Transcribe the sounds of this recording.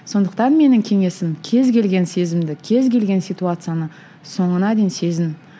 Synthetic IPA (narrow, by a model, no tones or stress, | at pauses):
so̞nd̪əq̚t̪ɑnme̞nɪŋkʲʰe̞ŋe̞sɪmkʲʰe̞zkʲe̞lɡʲe̞nse̞zɪmd̪ɪkʲʰe̞zkʲe̞lɡʲe̞nsijt̪uat̪sɨjanə | so̞ɴənɑd̪e̞jnse̞zɪn